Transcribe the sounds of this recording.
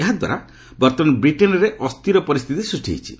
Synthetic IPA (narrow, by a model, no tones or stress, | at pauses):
eɦad̪wa̰ɾa | bɔɾt̪ɔnbɾiʈenɔɾeʔɔst̪ʰiɾɔpɔɾist̪ʰit̪isuʈʰḛjt͡ʃʰḭ